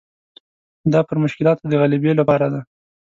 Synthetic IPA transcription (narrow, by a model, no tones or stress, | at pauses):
d̪ɑpəɾmʊʃkɪlɑt̪d̪əɣalibelapɑɾad̪a